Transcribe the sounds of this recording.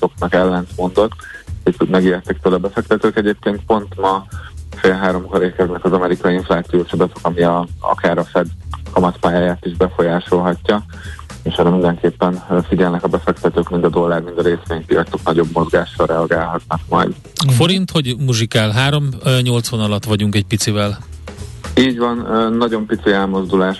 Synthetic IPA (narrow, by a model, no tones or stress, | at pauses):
t̪o̞knɒkɛlːɛnt̪mo̞nd̪o̞t̪ːit̪umɛɡiːɾɛt̪ːɛkt̪øːlɒbɛfɛkt̪ɛt̪øːkɛɟeːp̚keːnt̪̚po̞nt̪mɒfeːlɦaːɾo̞mkoɾeːrkɛznɛkɒzɒmɛɾikɒjiiɱflaːt̪sijoːʃod̪ɒt̪o̞̥kɒmiɒɒ̰kaːɾɒfɛd̪kɒmɒt̪paːjaːjaːt̪iʒbɛfo̞jaːʃo̞lɦɒcːɒ | eːʃɒɾɛmind̪ɛŋkeːpːɛnfiɟɛlnɛkɒbɛfɛkt̪ɛt̪øːkmind̪ɒd̪o̞lːaːɾmind̪ɒɾeːsʋeːɲpijɒt̪so̞knɒɟo̞bmo̞zɡaːʃːɒlrɛɒɡaːlɦɒt̪nɒkmɒ̰jd̪ | fo̞ɾint̪ho̞ɟmuʒikaːlɦaːɾo̞mːɲo̞lt̪sʋonɒlɒt̪ʋɒɟuŋkɛc̚pit̪sivɛl | iːɟvɒnːɒɟo̞mpit̪siɛlmo̞zd̪ulaːʃ